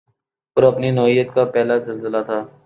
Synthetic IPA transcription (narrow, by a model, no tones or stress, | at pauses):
ɔɾɐpninɔːijːət̪kapɛːlazɐlzəlat̪ʰaː